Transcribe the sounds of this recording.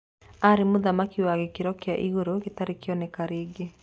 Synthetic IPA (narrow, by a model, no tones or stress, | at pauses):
aɾemoðamakiwaɣekeɾɔkeaʔiɣoɾoɣetaɾekeɔnɛkaɾeːɡe